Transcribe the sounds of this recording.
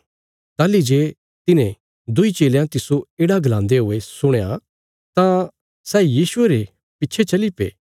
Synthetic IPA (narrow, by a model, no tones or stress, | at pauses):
t̪aːlid͡ʒeː | t̪ɪnẽ | d̪ʊit͡ʃeːljãt̪ɪsoeːɽaɡʱlãːnd̪eɦʊesʊɽ̃ja | t̪ã | sɛːjiːsʊeɾe | pɪtːt͡ʃʰet͡ʃɐlipḛː